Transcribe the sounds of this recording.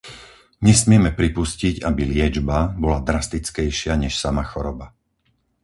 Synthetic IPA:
ɲɛsmɪɛmɛpɾipusciɟabilɪɛd͡ʒbabɔlad̪ɾast̪it͡skɛjʃɪaɲɛʃsamaxɔɾɔba

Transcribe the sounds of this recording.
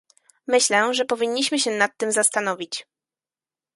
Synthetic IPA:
mɘɕlɛʐɛpɔvʲiɲːiɕmɘɕɛnat̪ːɘmzast̪anɔvʲit͡ɕ

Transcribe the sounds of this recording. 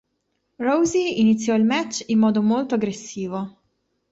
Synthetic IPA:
rowziːnit̪sːjɔilmɛt͡ʃːimːɔːd̪omolt̪oaɡɾesːiːvo

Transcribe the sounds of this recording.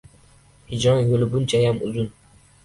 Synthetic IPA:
hɪd͡ʒɒnjolɪbʊnt͡ʃʰajamʊzʊn

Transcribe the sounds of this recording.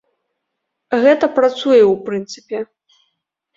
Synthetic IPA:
ɣɛt̪ɐpɾat̪sujɛwpɾɨnt̪sɨ̥pʲɛ

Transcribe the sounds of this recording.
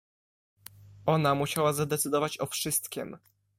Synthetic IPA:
ɔnamuɕawazad̪ɛt̪sɘd̪ɔvat͡ɕɔfʂɘst̪kʲɛ̰m

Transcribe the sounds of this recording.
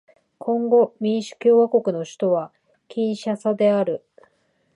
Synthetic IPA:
kʰõ̞ŋɡo̞mʲĩɰ̃ɕɨ̥kʲo̞ːβako̞kɯ̟no̞ɕi̥t̪o̞βa | kʲĩɰ̃ɕasad̪e̞aɾɯ̟

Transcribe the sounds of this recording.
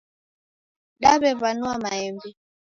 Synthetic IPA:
ɗaβɛvanuamaɛmbi

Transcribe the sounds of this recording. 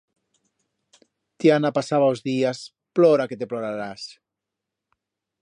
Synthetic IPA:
t̪ianapasaβauzðias | ploɾaket̪eploɾaɾas

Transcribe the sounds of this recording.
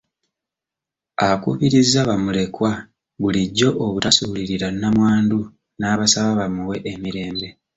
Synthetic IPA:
aβakṵβiɾizːaβamule̞kwa | βuliɟːo̞ʔoβutasuːliɾiɾanamwaːndu | naːβasaβaβamuwe̞ʔemiɾe̞ːmbe̞

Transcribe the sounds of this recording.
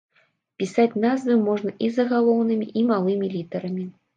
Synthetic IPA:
pʲisat͡sʲnazvɨmɔʐnɐʔizɐɣalˠɔwnɨmʲiʔimalˠɨmʲilʲit̪ɐɾɐmʲi

